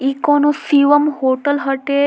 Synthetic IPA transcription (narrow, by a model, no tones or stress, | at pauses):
ikɔnusiʋəmhoʈəlɦəʈe